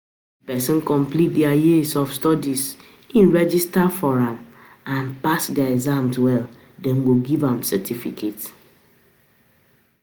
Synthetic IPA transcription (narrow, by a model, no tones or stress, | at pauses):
pɛsɔ̃nkɔ̃mplit̚dɛajisɔfstɔdis | ĩnɹɛd͡ʒistafɔɹãm | ãnpasdɛaɛɡzãmzwɛl | dɛ̃nɡoɡivãmsɛtʰifḭkʰet